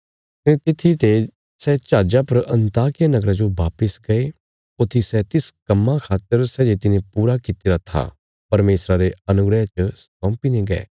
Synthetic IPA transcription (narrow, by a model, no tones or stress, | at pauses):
t̪ẽt̪ɪt̪ʰːit̪e | sɛt͡ʃaːd͡ʒapɐɾɐ̃nt̪aːkɪjanɐɡɾad͡ʒoʋaːpəsɡɐe | ʊt̪ʰːisɛt̪ɪskɐmːakʰaːt̪ːəɾsɛd͡ʒeːt̪inẽpuːɾakit̪iɾat̪ʰa̰ | pɐɾmeːsɾaɾeɐnʊɡɾət͡ʃsɔ̃ːpineɡɛ̰ː